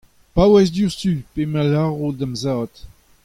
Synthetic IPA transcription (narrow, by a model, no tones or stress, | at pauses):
pawɛs̬d̪jusypemalaʁodamzaːt̪